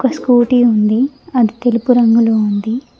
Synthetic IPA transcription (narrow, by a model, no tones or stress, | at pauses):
kɐskuːʈiːund̪iɐd̪it̪e̞lupuɾɐŋɡulound̪i